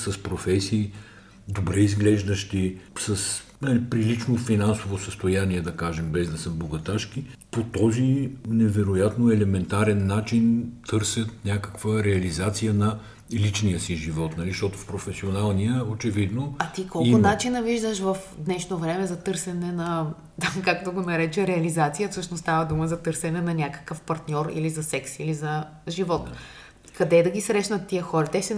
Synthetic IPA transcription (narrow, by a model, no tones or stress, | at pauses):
sɐspɾofɛsiː | d̪obɾɛizɡlɛʒd̪əʃt̪isɐs | nɐlipɾilit͡ʃnofinansovosəst̪ojaniɛd̪ɐkaʒɛmbɛzd̪ɐsəboɡɐt̪aʃkipot̪ɔzinɛvɛɾojat̪noɛlɛmɛnt̪aɾɛnːat͡ʃint̪ʰɤɾsʲət̪nʲakəkv̥əɾɛɐlizat̪sijənɐ | lit͡ʃnijəsiʒivɔt̪nɐliʃt̪ɔt̪ofpɾofɛsionalˠnijəot͡ʃɛvid̪noɐt̪ikɔlˠʊnat͡ʃinəviʒd̪əʃvəfd̪nɛʃnovɾɛmɛzɐt̪ɤɾsɛnɛnɐ | t̪amkak̚t̪oɡonɐɾɛt͡ʃɛɾɛɐlizat̪sijəfsɤʃnost̪avəd̪uməzɐt̪ɤɾsɛnɛnɐnʲakə̥kəfpɐɾt̪nʲɔɾḭlizɐsɛksilizɐ | ʒivɔt̪ | kɐd̪ɛd̪ɐɡʲisɾɛʃnɐt̪ːiəxɔɾɐt̪ɛʃɛ